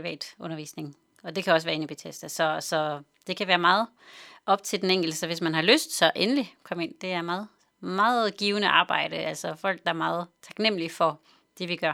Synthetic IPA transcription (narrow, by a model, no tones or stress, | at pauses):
iʋɛ̰ːd̥ɔ̽nɐʋḭːsne̝ŋ | ɒ̽d̥e̝kʰæɒ̽səʋæːɐe̝nib̥ʰet͡sʰesd̥əsɒ̽sɒ̽ | d̥e̝kʰæʋæːɐmɑ̈ːð̩ˠ | ʔɒ̽b̥t͡sʰe̝ld̥eneŋ̰ɡ̥l̩dəsɒ̽ʋe̝smænɦhɑ̈løsd̥sɒ̽ʔenəlikʰɒ̽məe̝n̰d̥e̝æɐmɑːð̩ˠ | mɑ̈ːð̩ˠɡ̥iːʊnəʔɑ̈ːb̥ɑ̈ɪ̰ɾ̥əʔæl̰sɒfɒ̽l̰ɡ̥̚d̥ɑ̈æɐmɑ̈ːð̞̩ˠt͡sʰɑ̈ɡ̥nem̰əlifɒ̽ | d̥e̝ʋiɡ̥ɶɐ